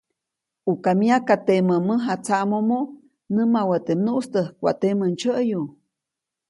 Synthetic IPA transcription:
ukamiakat̪eməməɦat͡saʔmomo | nəmawət̪emnuʔst̪əhkʷa̰ʔt̪emənt͡ʃəʔju

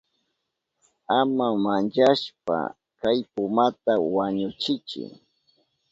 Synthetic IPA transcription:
amamand͡ʒaʃpa̰ | kajpʊmat̪awaɲʊt͡ʃɪt͡ʃɪ̰

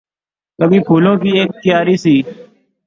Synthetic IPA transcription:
kəbiːpʰuːlõːkiːeːk̚t̪ɪjaːɾiːsiː

